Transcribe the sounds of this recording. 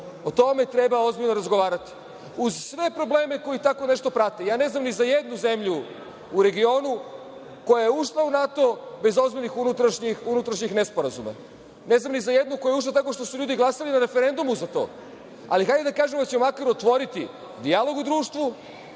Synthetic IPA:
o̞t̪o̞me̞t̪ɾe̞bao̞zbiʎnoɾazɡo̞ʋaːɾat̪i̥ | uzsʋe̞pɾo̞ble̞ːme̞ko̞jit̪ako̞ne̞ʃt̪opɾat̪e̞jaːne̞znamnizajed̪nuze̞mʎuː | ɾe̞ɡio̞ːnu | ko̞jajeuʃlˠaunat̪o̞be̞zo̞zbiʎnixunut̪ɾaʃɲixunut̪ɾaʃɲixnespoɾazuma̰ | ne̞znamnizajed̪nuko̞jaeuʃ̬lˠat̪ako̞ʃt̪o̞suʎuːd̪iɡlˠasalinaɾe̞feɾe̞nd̪umuzat̪o̞̰ː | a̰lixajd̪ed̪akaːʒemd̪at͡ɕemakaɾuot̪ʋo̞ɾit̪i | d̪ijalo̞ɡud̪ɾuːʃt̪ʋu

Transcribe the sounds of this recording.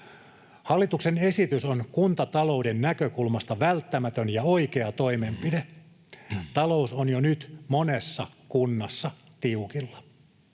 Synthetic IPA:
hɑlːit̪uksene̞sit̪ysonkunt̪ɑt̪ɑlo̞udennækøkulmɑst̪ɑʋælt̪ːæmæt̪ønjɑoike̞ɑt̪o̞imempide | t̪ɑlo̞usonjonyt̪monesːɑkunːɑsːɑ | t̪iukilːɑ̥

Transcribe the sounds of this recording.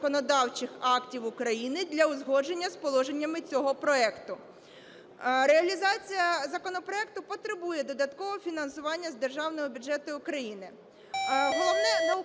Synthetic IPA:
kɔnɔd̪ɑwt͡ʃɪxɑktʲiwʊkɾɐjinɪd̪lʲɐʊzɦɔd͡ʒe̞nʲːɐspɔlˠɔʒe̞nʲːɐmɪt͡sʲɔɦɔpɾɔɛkt̪ʊ | ɾeɐlʲizɑt͡sʲijɐzɐkɔnɔpɾɔɛk̚t̪ʊpɔt̪ɾɪbujɛd̪ɔd̪ɐt̪kɔʋɔfʲinɐnsʊʋɑnʲːɐzd̪erʒɑwnɔɦɔbʲʊd͡ʒɛt̪ʊʊkɾɐjinɪ | ɦɔlˠɔʋnɛnɐʊ

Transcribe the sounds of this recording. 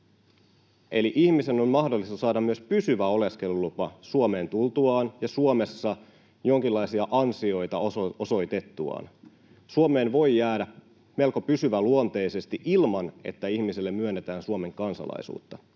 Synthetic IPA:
e̞liʔiçmise̞nonmɑhdo̞lːist̪ɑsɑːdɑmmyøspysyʋæo̞le̞ske̞lulupɑsuome̞ːnt̪ult̪uɑːnjɑsuome̞sːɑ | jo̞ŋkilːɑisiɑʔɑnsio̞jt̪ɑoso̞jt̪et̪ːuɑ̰ːn | suome̞ːnʋo̞jjːæːdæ | me̞lkopysyʋæluont̪e̞ise̞st̪iʔilmɑne̞̰t̪ːæiçmiselːemmyønːet̪æːnsuome̞ŋkɑnsɑ̰lɑ̰isṵːt̪ːɑ

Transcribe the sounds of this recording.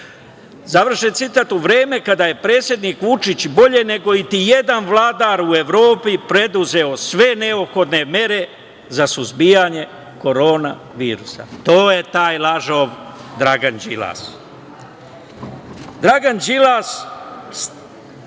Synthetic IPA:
zaʋr̩ʃent̪sit̪aːt̪uʋɾeːme̞kad̪aje̞pɾe̞ːt̪sje̞d̪niːkʋut͡ʃit͡ɕbo̞ʎe̞ne̞ɡo̞it̪ije̞d̪anʋlˠaːd̪aːɾue̞ʋɾo̞ːpipɾe̞d̪uze̞o̞sʋe̞ne̞opxo̞d̪ne̞me̞ɾe̞ | zasuzbiːjaɲe̞ | ko̞ɾo̞ːna | ʋiːɾusa̰t̪o̞ːje̞t̪aːjlaʒoʋd̪ɾaɡand͡ʒila̰s | d̪ɾaɡand͡ʒilass

